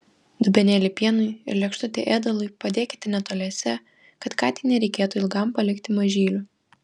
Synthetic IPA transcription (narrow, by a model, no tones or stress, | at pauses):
d̪ʊbʲɛnʲeːlʲɪpʲiɛnʊɪɪɾlʲɛkʃt̪ʊt̪ʲḛʔeːd̪ɐlˠʊɪpɐd̪ʲeːkʲɪ̥t̪ʲɪnʲɛt̪oːlʲɛːsʲɛ | kɐt̪kɑːt̪ʲiːnʲɛɾʲɛɪkʲeːt̪uɪlˠɡɐmpɐlʲɪkt̪ʲɪmɐʒʲiːlʲʊ